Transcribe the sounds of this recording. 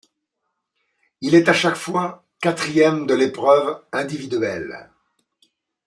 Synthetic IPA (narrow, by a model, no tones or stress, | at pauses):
ilɛt̪aʃakfwa | kat̪χijɛmd̪əlepχœvɛ̃d̪ivid̪ɥɛl